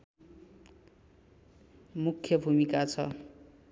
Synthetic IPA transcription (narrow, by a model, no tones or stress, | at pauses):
mukʰjʌbʱumikat͡sʰʌ